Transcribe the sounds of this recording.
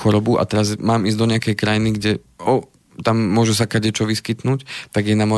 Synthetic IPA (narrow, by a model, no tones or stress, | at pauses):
xɔɾɔbuʔa̰t̪ɛɾazmaːmizɟd̪ɔɲɪakɛjkɾajiniɡɟɛɔ | t̪amːʊɔʒus̬akaɟɛt͡ʃɔʋiskit̪nuːct̪aɡjɛnamɔ